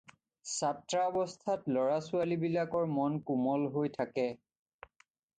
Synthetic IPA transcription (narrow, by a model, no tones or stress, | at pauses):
satɹaɔbɔstʰatlɔɹasʊalibilakɔɹmɔnkumɔlɦojtʰakɛ